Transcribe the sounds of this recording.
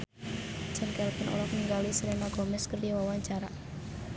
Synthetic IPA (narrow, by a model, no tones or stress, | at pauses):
t͡ʃənkɛlpənʔɔ̰lɔhniŋɡalisəlɛnaɡɔmɛskərdiwawaɲt͡ʃaɾa